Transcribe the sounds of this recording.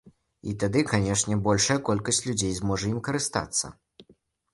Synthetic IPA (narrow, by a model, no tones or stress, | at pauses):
ḭt̪ad̪ɨkanʲɛʂnʲɛbɔlʲʂɐjɐkɔlʲkɐsʲt͡sʲlʲud͡zʲejzmɔʐɐimkɐɾɨst̪a̰t̪sːɐ̰